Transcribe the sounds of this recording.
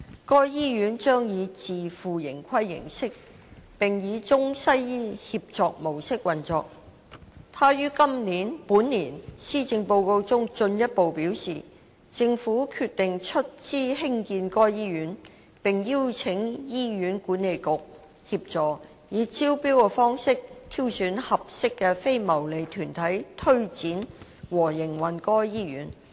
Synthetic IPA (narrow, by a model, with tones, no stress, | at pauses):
kɔː˥jjiː˥jyː˨˥nt͡ʃœː˥ŋjiː˨˧t͡siː˨˩fuː˨jɪ˨˩ŋkʷʰɐ˥jːɪ̰˨˩ŋsɪ˥k̚ | pɪ˨ŋjiː˨˧t͡sʊ˥ŋsɐ˥ji˥hiː˧p̚t͡ʃɔː˧k̚mo˨˩wsɪ˥k̚wɐ˨nt͡sɔ̰ː˧k̚ | t̪ʰaː˥jyː˥kɐ˥mniː˨˥npuː˨˥nːiː˨˩nsiː˥t͡sɪ˧ŋpo˧wko˧wt͡sʊ˥ŋt͡ʃɵ˧njɐ˥t̚po˨wpiː˨˥wsḭː˨˩ | t͡sɪ˧ŋfuː˨˥kʰy˧t̪ɪ˨ŋt͡ʃʰɵ˥t̚t͡siː˥ɦɪ˥ŋkiː˧nkɔː˥jjiː˥jyː˨˥n | pɪ˨ŋji˥wt͡sʰɪ˨˥ŋjiː˥jyː˨˥nkuː˨˥nːe˨jkʊ˨k̚ | hi˧p̚t͡sɔː˨ | jiː˨˧t͡siː˥wpiː˥wkɛ˧fɔː˥ŋsɪ˥k̚t̪ʰi˥wsyː˨˥nhɐ˨p̚sɪ˥kːɛː˧fe˥jmɐ˨˩wle˨jt̪ʰyː˨˩nt̪ʰɐ˨˥jt̪ʰɵ˥ɥt͡siː˨˥nwɔː˨˩jɪ˨˩ŋwɐ˨nkɔː˥jiː˥jy̰ː˨˥n